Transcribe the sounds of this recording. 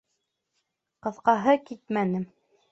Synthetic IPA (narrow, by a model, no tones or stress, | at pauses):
qɤ̆θqɑɦɤkit̪̚mænɘm